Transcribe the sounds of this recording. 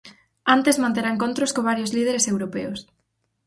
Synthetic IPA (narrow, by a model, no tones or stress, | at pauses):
ant̪ezmãnt̪eɾaeŋkont̪ɾoskoβaɾjozlið̞eɾesewɾopḛʊs